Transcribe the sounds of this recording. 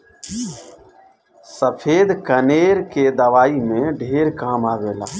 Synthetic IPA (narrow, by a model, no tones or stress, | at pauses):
səpʰeːd̪kəneːɾked̪əʋaːimẽɖʱeːɾkaːmaːʋeːla̰ː